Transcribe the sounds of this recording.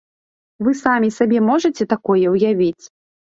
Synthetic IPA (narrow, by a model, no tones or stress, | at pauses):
vɨsamʲisabʲɛmɔʐɐt͡sʲɛt̪akɔjɛwjavʲit͡sʲ